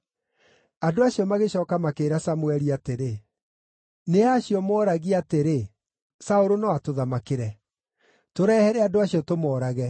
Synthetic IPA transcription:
adoaɕiɔmaɣeɕɔːkamakeːɾasamwɛɾiateɾe | neaɕiɔmɔːɾaɣiateɾe | saoɾonɔatoðamakeɾɛ | toɾɛːhɛɾɛadoaɕiɔtomɔːɾaɣɛ

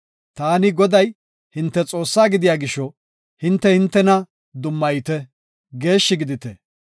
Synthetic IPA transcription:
t̪aːnɪɡɔd̪ɐj | hɪnt̪ːɛt͡sʼo̞ːsːaːɡɪd̪ɪjaːɡɪʃːɔ | hɪnt̪ːɛhɪnt̪ːɛnɐ | d̪ʊmːɐjt̪ɛ | ɡe̞ːʃːɪɡɪd̪ɪt̪ɛ

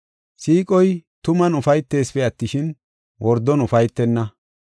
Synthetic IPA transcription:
siːkʼɔjt̪ʊmɐnʊfɐjt̪ːe̞ːsfɛɐt̪ːɪʃɪn | wʔɔɾd̪ɔnʊfɐjt̪ːɛnːɐ

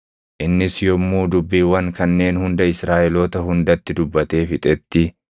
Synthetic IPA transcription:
ʔɪnːɪsjɔmːuːd̪ʊbːiːwɐŋkɐnːe̞ːnhʊnd̪ɐɪsɾaːʔɛloːt̪ɐɦʊnd̪ɐt̪ːɪd̪ʊbːɐt̪e̞ːfɪt̪ʼɛt̪ːɪ

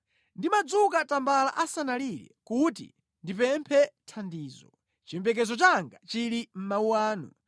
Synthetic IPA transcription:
ndimad͡zukatambala̰ʔasanalilɛ̰kutḭ | ndipɛmpʰɛtʰandiːzɔ | t͡ʃimbɛk̬ɛzɔt͡ʃaŋɡat͡ʃiɾim̩mauwaːnṵ

